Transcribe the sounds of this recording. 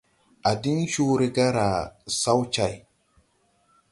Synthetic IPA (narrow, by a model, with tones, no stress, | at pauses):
a˨di˦nʃu˦ɾi˦ɡa˦ɾa˨sa˦wt͡ʃa˦j